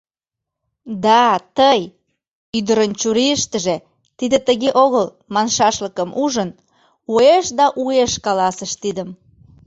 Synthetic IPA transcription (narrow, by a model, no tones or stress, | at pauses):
d̪ɑt̪əj | yd̪əɾənt͡ɕuɾiəʃt̪əʒe | t̪id̪et̪əɣeʔoɣəl | mɑnʃɑʃləkəmʔuʒən | ueʃd̪ɑʔueʃkɑlɑsəʃt̪id̪əm